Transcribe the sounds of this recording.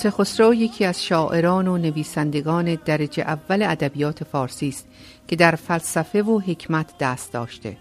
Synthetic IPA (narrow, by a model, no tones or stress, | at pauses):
t̪ʰexosɾoːjecʰiːæz̥ʃɒːʔe̞ɾɒːnone̞viːsænd̪e̞ɡɒːne̞d̪æɾed͡ʒḛʔævːæle̞æd̪æbijɒːt̪ʰe̞fɒːɾsiːst̪ | cʰe̞d̪æɾfælsæfe̞voɦe̞cʰmæt̪ʰd̪̥æːst̪̚d̪ɒ̰ːʃt̪e̞̰